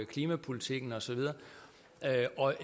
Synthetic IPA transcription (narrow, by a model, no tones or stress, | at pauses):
kʰliːmæpʰulit͡sʰiɡ̥n̩ɒ̽sɒ̽ʋið̞ˠɐ | øɒ̽